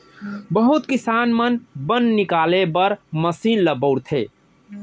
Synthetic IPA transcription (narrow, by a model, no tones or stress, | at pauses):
bəɦut̪kisaːnmənbənnikaːlebəɾməsiːnləbəʊɽt̪ʰeː